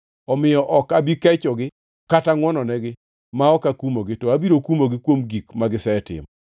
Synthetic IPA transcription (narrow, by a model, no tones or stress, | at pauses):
ɔmɪjɔʔɔkabikɛt͡ʃɔɡɪ | kataŋwɔnɔnɛɡɪ | maɔkakumoɡɪtɔabiɾokumoɡɪkwomɡikmaɡɪsɛɛtɪ̰mɔ